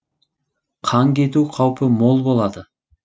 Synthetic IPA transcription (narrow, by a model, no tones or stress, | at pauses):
qʰɑŋkʲe̞t̪̬uqʰɑwpəmo̞lˠbo̞lˠɑd̪ə